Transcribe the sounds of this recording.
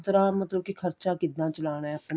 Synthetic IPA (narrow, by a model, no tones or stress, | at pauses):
t̪ɾaːmət̪ləb̚kikʰəɾt͡ʃaːkɪd̪naːt͡ʃəlaːɽ̃aɦɛəpn